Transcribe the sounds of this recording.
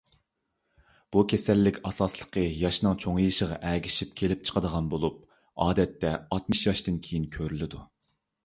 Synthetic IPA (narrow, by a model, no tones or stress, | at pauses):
b̥ukʲʰesælːɪkʲɑsɑslˠə̥qʰəjɑʃnɨŋt͡ʃʰoŋjiʃəʁɑ̰ʔæɡʲiʃip̚kʲʰelɪp̚t͡ʃʰə̥qʰəd̪əʁɑnbolˠup̚ | ɑːd̪ɛt̪ːɛɑt̪mɨʃjɑʃt̪ɨnkʲʰejinkʲʰøɾylɪd̪u